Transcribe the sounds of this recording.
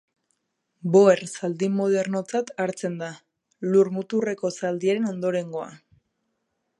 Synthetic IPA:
bo̞ersald̪imoð̞e̞ɾno̞t͡sat̪aɾt͡se̞nd̪a | luɾmut̪ure̞ko̞sald̪iaɾe̞no̞nd̪o̞ɾe̞ŋɡo̞a̰

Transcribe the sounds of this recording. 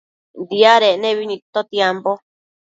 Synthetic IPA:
nd̪iaɾenẽβinĩt̪ot̪jampo

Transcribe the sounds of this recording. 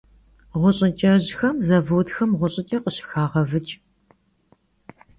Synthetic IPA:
ʁʷʊɕʼɪt͡ʃʼɐʑxɐmzɐvɨwtxɐmʁʷʊɕʼɪt͡ʃʼɐqəɕɪ̥xaːʁɐvɨt͡ʃʼ

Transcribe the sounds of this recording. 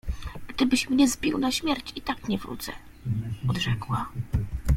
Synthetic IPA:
ɡ̥d̪ɘbɘɕmɲɛzbʲiwnaɕmʲjɛɾt͡ɕit̪akɲɛvɾṵt̪sɛ̰ | ɔd̪ʐɛkwa

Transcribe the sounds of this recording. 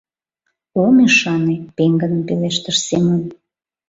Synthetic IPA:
omeʃɑnepeŋɡənəmpeleʃt̪əʃsemən

